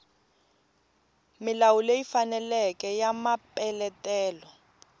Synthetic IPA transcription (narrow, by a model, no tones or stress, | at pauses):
milawulejifanɛlɛkɛjamapɛlɛtɛːlɔ